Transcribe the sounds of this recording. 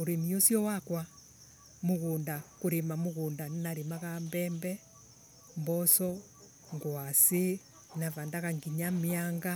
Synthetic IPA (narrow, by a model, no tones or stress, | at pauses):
oɾemiosjɔwakwa | moɣoːndakoɾemamoɣoːndannaɾemaɣambɛmbɛ | mbɔsɔ | ŋɡwase | navandaɣaŋɡiɲameaŋɡa